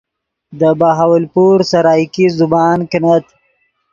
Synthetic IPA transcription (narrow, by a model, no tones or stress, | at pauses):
d̪əbaːɦawɪlpuːɾsɐɾɑːjkizubɑːnkɪnat̪